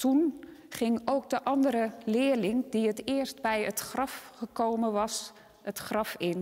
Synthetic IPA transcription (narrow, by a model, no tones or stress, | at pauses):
tunχɪŋowk̚dəʔɑndəɾəlɪəlɪŋdiətɪərstbɛjətχrɑfχəkowməʋɑs | ətχrɑfɪn